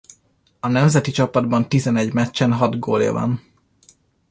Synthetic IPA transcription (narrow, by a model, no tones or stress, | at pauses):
ɒnɛmzɛt̪it͡ʃɒpɒd̪bɒnt̪izɛnɛɟmɛt͡ʃːɛnɦɒd̪ɡoːljɒ̰vɒ̰n